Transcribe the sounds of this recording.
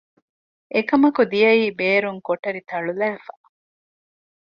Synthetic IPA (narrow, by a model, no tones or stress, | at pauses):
ʔekɐmɐkud̪ijɐiːbeːɾuŋkoʈɐɾit̪ɐɭulɐʋefa